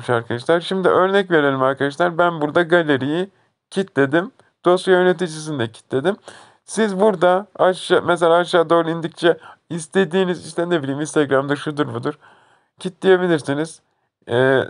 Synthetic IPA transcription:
ʃaɾkʰad̪aʃlˠaɾʃimd̪iʔø̞ɾnɛcve̞ɾe̞lʲimaɾkad̪aʃ̬lˠaɾbænbuɾd̪aɡalʲeɾiji | cʰit̪lʲe̞d̪im | d̪̥o̞sujøɾne̞t̪̬id͡ʒis̬ind̪ɛcʰi̥t̪lʲe̞d̪im | sizbuɾd̪aaʃameselʲaːʃaːd̪o̞ːɾˠind̪ict͡ʃʰɛist̪ʰe̞d̪iːniziʃt̪ɛnebilʲiːminst̪ʰaɡɾamd̪aʃud̪uɾbud̪uɾ | cʰit̪d̪ʲije̞bilʲiɾsiniz̥ | ɛː

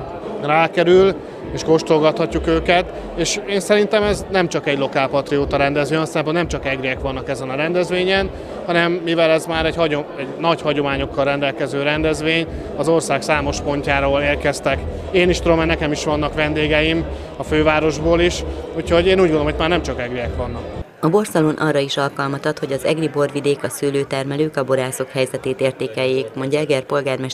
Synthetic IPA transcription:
raːkɛɾyl | eːʃko̞ʃt̪rolɡɒt̪hɒcːukøːkɛt̪ | eːʃeːnsɛɾint̪ɛmɛznɛmt͡ʃɒkɛɟlo̞kaːlpɒt̪rioːt̪ɒɾɛnd̪ɛzʋøːɒnsɛmpːonnɛmt͡ʃɒkɛɡɾeɛkʋɒnːɒkɛzɛnɒɾɛnd̪ɛzʋeːɲɛn | hɒnɛmːivɛlɛzmaːɾɛɟhɒoɛɟnɒchɒɟo̞maːɲo̞kːɒlrɛnd̪ɛlkɛzøːɾɛnd̪ɛzʋeːɲ | ɒzo̞rsaːksaːmo̞ʃpo̞ɲcaːɾoːleːrkɛst̪ɛk | eːniʃt̪ud̪omɛnɛkɛmiʃʋɒnːɒkʋɛnd̪eːɡɛjim | ɒføːvaːɾo̞ʒboːliʃucho̞ɟeːnuːɟɡonomːojt̪maːɾrnɛmt͡ʃɒkɛɡiɛkʋɒnːɒk | ɒbo̞rsɛlonʔɒrːɒiʃɒlkɒlmɒt̪ɒt̪ho̞ɟɒzɛ̰ɡribo̞rʋid̪eːkɒsyːløːt̪ɛrmɛløːkɒbo̞ɾaːso̞khɛjzɛt̪eːt̪eːrt̪eːkɛjːeːkmo̞ɲɟɒɛɡɛrpo̞lɡaːrmɛʃ

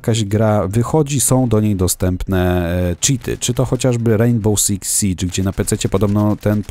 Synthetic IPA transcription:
kaʑɡɾavɘxɔd͡ʑisɔ̃w̃d̪ɔɲejd̪ɔst̪ɛmpnɛt͡ʂit̪ʰɘ̰t͡ʂɘt̪ɔxɔt͡ɕaʐbɘɾɛjnbɔwsʲiksit͡ʂɡd͡ʑɛnapɛt̪sɛt͡ɕɛpɔd̪ɔbnɔt̪ɛnp

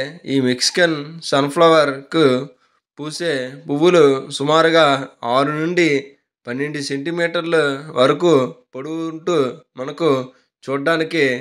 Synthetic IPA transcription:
iːmiksi̥kɐnsɐnpʰlɐʋɐɾku | puːseːpuʋːulusumaːɾuɡaːaːɾunuɳɖi | pɐnːeɳɖuseɳʈimiːʈɐɾluʋɐɾɐkupɐɽuɳʈuːmɐnɐku | t͡ʃuːɖːaːniki

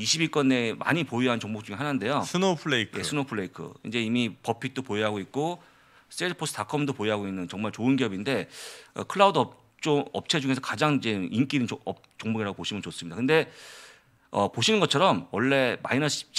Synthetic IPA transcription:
iɕʰibik͈ʌnːe̞ma̰ɲipoiɦant͡ɕoŋbok̚t͡ɕ͈uŋeɦanande̞josʰnopʰɭeikjʰe̞sʰɯnopʰɯɭːe̞ikʰɯ̰ḭnd͡ʑe̞imipʌpʰik̚t͈opoeɦaɡoik̚k͈o | s͈edɯpʰos͈ʰɯ̥tʰakʰʌmdopoeɦaɡoinːɯnt͡ɕʌŋmaɭt͡ɕoɯnɡiʌbinde̞ʌ̰kʰɯɭːaudʌ | t͡ɕ͈omʌp̚t͡ɕʰe̞d͡ʑuŋe̞sʰʌkad͡ʑaŋid͡ʑe̞ink͈idinʌ | t͡ɕoŋbuɡiɾaɡopoɕʰimɯnt͡ɕos͈ɯmɲidakɯnde̞ | ʌ̰poɕʰinɯnɡʌt͡ɕʰʌɾʌmwʌɭːe̞ma̰inʌi̥

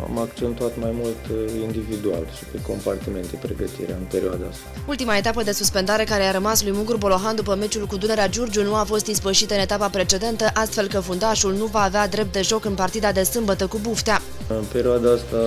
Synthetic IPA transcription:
a̰makt͡ʃent̪uat̪majmult̪ind̪ivid̪ua̰lʃi̥peko̞mpart̪ime̞nt̪epɾeɡət̪ḭɾḛaɨnpe̞ɾioad̪aast̪ault̪imaet̪apəd̪e̞suspe̞nd̪aɾe̞kaɾe̞aɾəmaslujmuŋɡurbo̞lo̞ɦand̪upəme̞t͡ʃulkud̪une̞ɾead͡ʒurd͡ʒunuafo̞st̪ispəʃit̪ɨne̞t̪apapɾe̞t͡ʃe̞d̪e̞nt̪əʔast̪fe̞lkəfund̪aʃulnuvaːvead̪ɾe̞p̚t̪̚d̪e̞ʒo̞kɨnpart̪id̪ad̪e̞sɨmbət̪əkubuft̪ea | ɨnpe̞ɾioad̪aast̪a

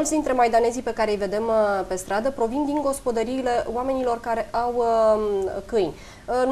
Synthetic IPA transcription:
lt̪sd̪int̪ɾe̞majd̪ane̞zijpe̞kaɾejve̞d̪e̞mpe̞st̪ɾad̪əpɾo̞vind̪iŋɡo̞spo̞d̪əɾiːle̞oame̞nilo̞rkaɾe̞ʔaw | kɨjnʲ | n

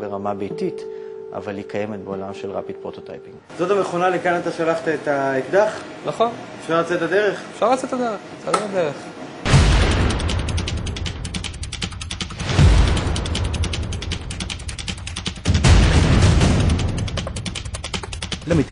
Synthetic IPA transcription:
beʁamabejtit | ʔa̰valhikʰaje̞metbe̞olamʃelʁa̰pitpʁot̪ota̰jpiŋɡzo̞tameχo̞nalekanat̪aʃalaχt̪aetaetd̪aχ | naχon | efʃaʁlat͡setad̪eʁeχefʃaʁlat͡set̪ad̪eʁeχt͡satad̪eʁeχ | lemit

